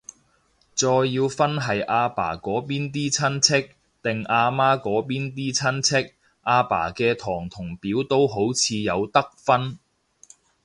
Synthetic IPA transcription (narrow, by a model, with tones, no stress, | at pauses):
t͡sɔː˧jːiː˧wfɐ˥nɦɐ˨jʔaː˧pa̰ː˨˩kɔː˨˥piː˥nt̪̬iː˥t͡sʰɐ˥nt͡sʰɪ˥k̚ | t̪ɪ˨˩ŋʔaː˧maː˥kɔː˨˥piː˥nt̪̬iː˥t͡sʰɐ˥nt͡sʰɪ˥k̚ | ʔaː˧pa̰ː˨˩kɛː˧t̪ʰɔː˨˩ŋt̪ʰʊ˨˩ŋpiː˨˥wt̪o˥wɦo˨˥wt͡sʰiː˨˧jɐ˨˧wt̪ɐ˥k̚fɐ˥n